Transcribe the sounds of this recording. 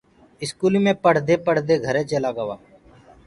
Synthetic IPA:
ɪskuːlimẽːpəɽ̤d̪eːpəɽ̤d̪eːɡʱəɾẽːt͡ʃəlaːɡəʋaː

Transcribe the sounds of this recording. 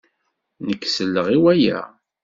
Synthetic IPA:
nəkːsəlːəʁiwæjæ̰

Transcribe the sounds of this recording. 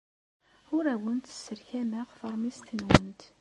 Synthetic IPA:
ʊɾæwənt̪ə̥sːəɾçæmæʁfəɾˤmist̪ənwənt̪

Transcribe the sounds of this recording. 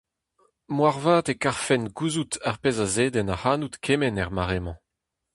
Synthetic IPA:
mwaʁvaːt̪ekaʁfɛnɡuzut̪aʁpezazeːd̪ɛnahaːnut̪kʰemɛnɛʁmaʁemɑ̃

